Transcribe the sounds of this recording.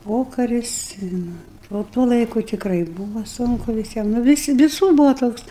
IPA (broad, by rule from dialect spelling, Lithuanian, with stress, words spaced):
ˈpoːkɐrʲɪs ɪ ˈnʊ oː ˈtuɔ ˈlˠɐɪkʊ tʲɪkˈrɐɪ ˈbuːʋɐ ˈsʊŋkʊ ʋʲɪˈsʲiɛm nʊ ʋʲɪˈsʲɪ ʋʲɪˈsʊr ˈbuːʋoː ˈtoːks